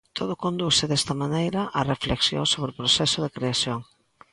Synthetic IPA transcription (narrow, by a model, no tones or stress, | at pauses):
t̪ʰoð̞ʊkond̪usɪðɛst̪ɐmanejɾɐʔɐrefleksjo̰ŋsoβɾɪʊpɾosɛsʊðɪkɾeasjoŋ